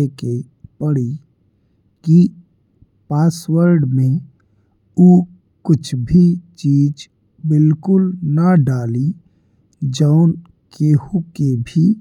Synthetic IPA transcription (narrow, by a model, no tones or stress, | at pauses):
eke | pəɽi | ki | paːswəɾɖmẽ | u | kʊt͡ʃʰbʱit͡ʃiːd͡ʒ | bɪlkʊlnəɖaːli | d͡ʒəʊn | kehukebʱi